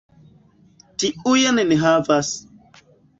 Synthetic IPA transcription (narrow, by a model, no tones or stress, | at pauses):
tiujaneneɦavas